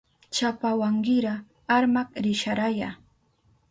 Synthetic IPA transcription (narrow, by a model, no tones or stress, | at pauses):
t͡ʃapawaŋɢɪɾaː | ɾmakɾɪʃaɾaja̰ː